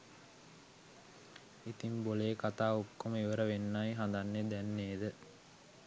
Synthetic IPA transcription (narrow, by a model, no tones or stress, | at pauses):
it̪imboleːkat̪aːokːoməiʋəɾəʋenːajɦand̪anːed̪ɛnːeːd̪ə